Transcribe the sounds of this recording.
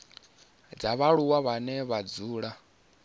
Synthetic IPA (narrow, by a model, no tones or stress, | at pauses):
d͡zaβaɺuwaβanɛβad͡zuːɺa